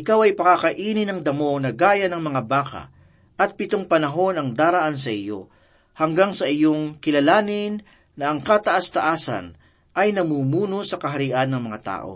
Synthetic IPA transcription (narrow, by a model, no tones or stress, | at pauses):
ʔɪkawɐjpɐkakɐʔiːnɪnɐŋd̪ɐmo̞nɐɡaːjɐnɐŋmɐŋabaːkɐ̰ | ʔɐt̪̚pɪt̪oŋpɐnɐɦo̞nɐŋd̪aːɾɐʔans̬ɐʔɪjo̞̰ | hɐŋɡaŋsɐʔɪjo̞ŋkɪlɐlaːnɪnː | ɐʔɐŋkat̪ɐʔast̪ɐʔaːsɐ̰n | ʔɐjnɐmuːmuːno̞sɐkɐɦɐɾɪʔanːɐŋmɐŋat̪a̰ːʔo̞̰